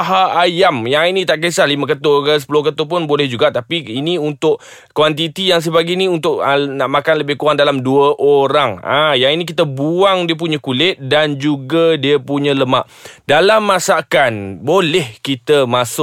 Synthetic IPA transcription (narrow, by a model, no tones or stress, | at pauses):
ɦaajamjaŋinĩt̪aʔkəsalimə̃kət̪okəs̬ə̥pulʊhkət̪op̬ʊnbolɛhd͡ʒuɡaʔt̪apiiniunt̪ʊʔ | kwant̪it̪ijaŋs̬əbaɡinĩunt̪ʊʔənaʔmakanləbɪhkuaŋdalamduəʔoɾaŋã̰jaŋinĩk̬it̪əbuaŋdiəp̬uɲãkulɪt̪̚dand͡ʒuɡadiəpuɲə̃ləmaʔ | dalamːãsakanbolɛhkit̪əmãsʊʔ̚